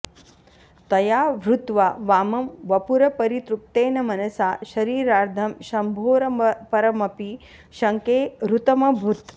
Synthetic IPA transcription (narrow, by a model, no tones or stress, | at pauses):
t̪ɐjaːʋɾut̪ʋaʋaːmɐmʋɐpuɾɐpɐɾit̪ɾup̚t̪eːnɐmɐnɐsaːʃɐɾiːɾaːɾd̪ʱɐmʃɐmbʱoːɾɐmpɐɾɐmɐpi | ʃɐŋkeːɾut̪ɐmɐbʱut̪